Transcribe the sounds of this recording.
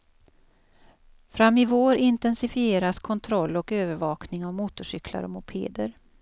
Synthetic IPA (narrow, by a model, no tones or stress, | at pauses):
fɾamːɪvoːɾɪnt̪ɛnsɪfɪeːɾaskʰɔnt̪ʰɾɔlːɔkøːvəɾvɑːknɪŋavmuːt̪ʊʂʏkʰla̰ɾɔ̰mʊpʰḛːd̪əɾ